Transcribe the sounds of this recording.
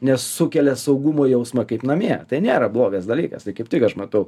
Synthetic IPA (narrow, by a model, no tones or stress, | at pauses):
nʲɛssʊkʲɛlʲɛsɐʊɡʊmoːjɛʊsmɐkɐɪpnɐmʲiɛt̪ɐɪnʲeːɾɐblˠoːɡɐsd̪ɐlʲiːkɐ̰st̪ɐɪkɐɪp̚t̪ʲɪkɐʃmɐt̪ɐʊ